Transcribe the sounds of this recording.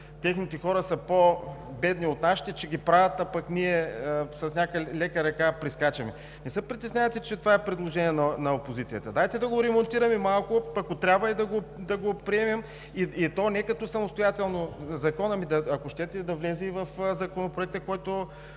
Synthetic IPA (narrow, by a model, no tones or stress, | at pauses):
t̪ɛxnit̪ɛxɔɾəsəpobɛd̪niot̪naʃi̥t̪ɛt͡ʃɛɡʲipɾavʲɐt̪ɐpɐkniɛəsɐsnʲakəlɛkəɾɐkapɾiskat͡ʃɛmɛ | nɛsɤpɾit̪ɛsnʲavɐt̪it͡ʃɛt̪ovaɛpɾɛd̪lˠoʒɛniɛnɐnɐopozit̪sijət̪əd̪ajt̪ɛd̪ɐɡoɾɛmont̪iɾɐmɛmalˠkopɐkot̪ɾʲabvɐid̪ɐɡod̪ɐɡopɾiɛmɛm | iit̪ɔnɛkɐt̪ɔsɐmost̪ojat̪ɛlˠnozɐkɔnɐmid̪ɐɐkoʃt̪ɛt̪ɛd̪ɐvlɛzivɐfzɐkonopɾoɛk̚t̪əkɔjt̪o